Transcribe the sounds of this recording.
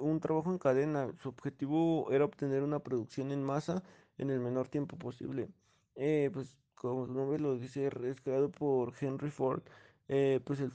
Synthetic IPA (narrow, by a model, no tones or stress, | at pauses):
unt̪ɾaβaxoeŋkaðenasuobxet̪iβoeɾaoβt̪ene̞ɾunapɾoðuksjonenmasa | ḛne̞lme̞no̞ɾt̪je̞mpoposḭβle | epwes | komosunombeloðiseɾeskɾeaðopoɾxenrifoɾt̪ | epwes̬e